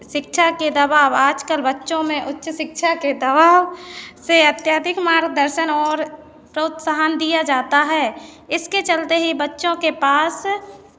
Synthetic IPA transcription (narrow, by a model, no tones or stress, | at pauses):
ʃɪkʃʰaked̪ɐbaːwaːd͡ʒkəlbətːʃõmẽʔʊtːʃəʃɪkʃʰaked̪ɐbaːwseɐt̪jaːd̪ʱɪkmaːɾɡd̪əɾʃənɔːɾ | pɾoːt̪saɦənd̪ijad͡ʒaːt̪aɦɛːɪsket͡ʃəlt̪eɦibətːʃõkepaːs